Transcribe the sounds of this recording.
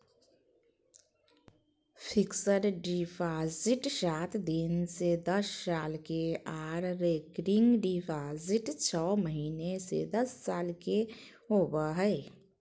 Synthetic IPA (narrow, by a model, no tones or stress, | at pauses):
pʰɪksəɾɖipʰaːzɪʈsaːt̪ʰd̪ɪnsed̪əsːaːlkeaːɾɾeːkɾɪŋɡɖipʰaːzɪʈt͡ʃʰɔːməɦiːnesḛd̪əsːaːlke | ɦoːbaɦɛ